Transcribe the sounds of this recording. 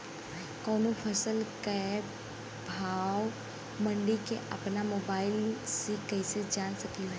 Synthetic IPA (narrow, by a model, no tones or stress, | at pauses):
kɔːnõpʰəsəlkə | bʱaːw | mə̃ɳɖikeʔɐpnamoːbaːɪlsekɐɪsed͡ʒaːnsəkio